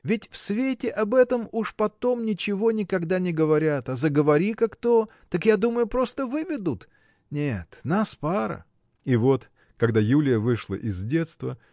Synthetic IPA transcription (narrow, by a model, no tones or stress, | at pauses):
vʲɪtʲfsvʲetʲɪʔɐbɛt̪əmuʂpɐt̪o̞mnʲɪt͡ɕɪvo̞nʲɪkɐɡd̪anʲɪɡəvɐɾʲat̪ɐzəɡəvɐɾʲikakt̪o̞ | t̪ːakjad̪uməjʊpɾo̞st̪əvɨvʲɪd̪ʊt̪ | nʲet̪naspaɾə̰ | ivo̞t̪ | kɐɡd̪ajulʲɪjəvɨʂlˠə̰ʔɪzdʲe̞t̪st̪və